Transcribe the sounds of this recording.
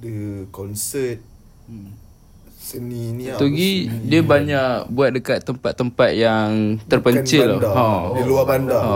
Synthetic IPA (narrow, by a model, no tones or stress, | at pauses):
dəkɔnsət̪̚ | səninit̪uɡidiəbaɲakbuat̪̚dəkat̪ːəmpat̪ːəmpat̪̚jaŋt̪ərpəɲt͡ʃɪlaadiluabandaa